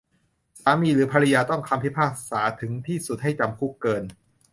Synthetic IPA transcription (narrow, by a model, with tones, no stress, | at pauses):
saː˩˦miː˧ɾɯː˩˦pʰaː˧ɾa˧jaː˧t̪ɔ˥˩ŋkʰa˧mpʰi˦˥pʰaː˥˩k̚saː˩˦t̪ʰɯ˩˦ŋt̪ʰiː˥˩su˨˩t̪̚ha˥˩jt͡ɕa˧mkʰu˦˥˩kːɤː˧n